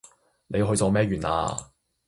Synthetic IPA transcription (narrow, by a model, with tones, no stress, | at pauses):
ne˨˧jɦɵ˧ɥt͡sɔː˨˧mɛː˥ɥyː˨˩na̰ː˧